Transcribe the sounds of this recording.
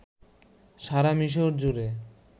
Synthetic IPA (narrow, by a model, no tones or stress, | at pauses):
ʃaɾamiʃ̬oɾd͡ʑuɾe